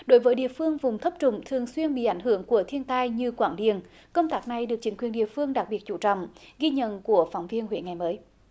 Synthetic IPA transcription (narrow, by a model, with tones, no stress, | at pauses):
ɗo˨˦jvəː˨˦jɗḭ˧˨əfɨ˧əŋvʊ˨˩ŋ͡mt̪ʰə˦˥p̚t͡ɕʊ̰˧˨ŋ͡mt̪ʰɨ˨˩əŋswi˧ənɓḭ˧˨ʔa˧˩jŋ̟ɦɨ˧˩əŋku˧˩ət̪ʰi˧ənt̪aː˧jɲɨ˧kwaː˧˩nlḭ˨˧˨ən | kə˧wŋ͡mt̪aː˦˥k̚na˨˩jɗɨ˨˩ək̚t͡ɕï˨˦ŋ̟kwi˨˩ənɗḭ˧˨əfɨ˧əŋɗa˨˩k̚ɓi˨˩ət̚t͡ɕṵ˧˩t͡ɕɔ̰˧˨wŋ͡mɣi˧ɲə̰˧˨nku˧˩əfɔ˨˦wŋ͡mvi˧ənɦwḛ˧˩ŋa˨˩jməː˨˦j